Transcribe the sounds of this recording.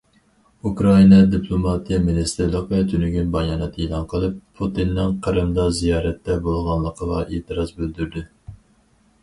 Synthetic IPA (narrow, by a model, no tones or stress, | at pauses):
ukɾɑinɑd̪ipʰlˠomɑt̪ʰijɑminist̪ʰɨɾlˠɪqvɛt̪ʰynyɡʲynbɑjɑːnɛt̪ʰelˠɑnqʰəlˠɨpːʰut̪ʰinːɪŋqʰəɾɨmd̪ɑzijɑːɾɛt̪ːɛbolˠʁɑnlˠːəqʰəlɑʔeːt̪ʰɨɾɑzbøld̪yɾd̪ɪ